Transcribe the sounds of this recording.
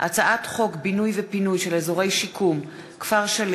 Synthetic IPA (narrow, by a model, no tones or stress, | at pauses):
ʔa̰t͡saʔatχo̞kbinujvepinujʃe̞lezo̞ʁe̞jʃikʰum | kv̥aʁʃal